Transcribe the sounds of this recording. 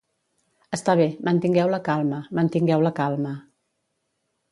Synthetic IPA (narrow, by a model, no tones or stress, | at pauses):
əst̪aβ̞emənt̪iŋɡɛwləkalˠməmənt̪iŋɡɛwləkalˠmə